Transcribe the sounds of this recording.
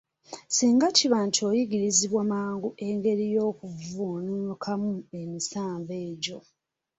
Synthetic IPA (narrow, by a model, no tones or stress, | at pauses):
siːŋɡaciβaːntʰio̞jiɡiɾiziβwamaːŋɡuʔe̞ŋɡe̞ɾijo̞ːkuvuːnuukʰamue̞misaːɱve̞ːɟo̞